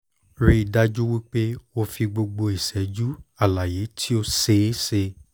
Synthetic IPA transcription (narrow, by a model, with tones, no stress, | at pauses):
ɾi˧i˨da˧d͡ʒu˦wi˦k͡pe˦o˧fi˧ɡ͡bo˧ɡ͡bo˧i˨sɛ˨d͡ʒu˦a˦˨la˨je˨˦tʰi˦o˧se˨˦se˧